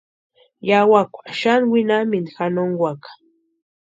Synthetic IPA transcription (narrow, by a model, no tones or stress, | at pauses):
jawakʷaʃanwinamɪnxanoŋɡwakḁ